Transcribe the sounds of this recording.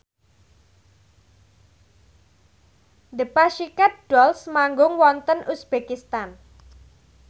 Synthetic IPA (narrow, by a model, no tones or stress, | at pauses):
d̪əpaʃikat̪̚ɖ̥ɔlsmaŋɡʊŋwɔnt̪ənʔusb̥ekist̪an